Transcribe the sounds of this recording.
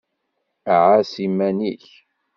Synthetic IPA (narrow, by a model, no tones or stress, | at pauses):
ʕasimæniç